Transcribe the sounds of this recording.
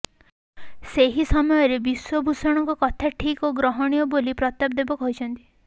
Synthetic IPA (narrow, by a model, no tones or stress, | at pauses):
seɦisɔmɔjɔɾebiswɔbʱusɔɽ̃ɔŋkɔkɔt̪ʰaʈʰikoɡɾɔɦɔɽ̃ijɔbolipɾɔst̪ab̚d̪ebɔkɔɦut͡ʃʰɔnt̪i̥